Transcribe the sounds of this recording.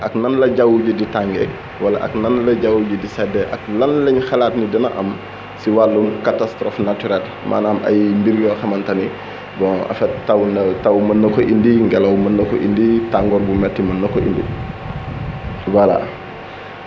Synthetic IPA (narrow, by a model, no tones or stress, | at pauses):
ʔɐknɐnlɐɟawuɟuditaŋɡɛ | wɐlɐ̰ʔɐ̰knɐnlɐɟawuɟudisɛdɛʔɐklɐnlɛɲxɐlaːtnidinɐʔɐ̰m | siwalːumkatastɾɔfnatyɾɛl | mʔa̰ːnamɐ̰jmbiɾjɔxɐmɐntɐni | bɔɐ̰fɛttɐwnɐtɐwmɐnːɐkɔʔindiŋɡɛlɐwmɐnːɐkɔ̰ʔḭnditaŋɡɔɾbumɛtːimɐnːɐkːɔʔḭndḭ | wɐla̰